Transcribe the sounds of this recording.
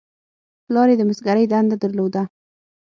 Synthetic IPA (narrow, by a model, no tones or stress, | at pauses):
plɑɾed̪əməsɡaɾəjd̪and̪ad̪əɾlod̪a